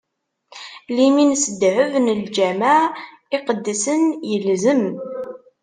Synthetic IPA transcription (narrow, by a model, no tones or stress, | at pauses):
liminsəd̪ʕəvnəld͡ʒæmaʕ | iqəd̪ːisənjəlzəm